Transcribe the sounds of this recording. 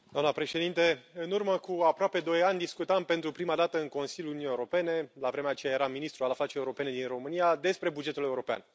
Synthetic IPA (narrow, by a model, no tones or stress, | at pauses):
d̪oamnəpɾe̞ʃe̞d̪int̪e̞ɨnurməkuapɾoape̞d̪o̞janʲd̪iskut̪ampe̞nt̪ɾupɾimad̪at̪əɨŋko̞nsiljuluijeuɾo̞pe̞ne̞lavɾe̞meat͡ʃejaje̞ɾaminist̪ɾualaflat͡ʃejeuɾo̞pe̞ne̞d̪inro̞mɨnijad̪e̞spɾe̞bud͡ʒe̞t̪ule̞uɾo̞pea̰n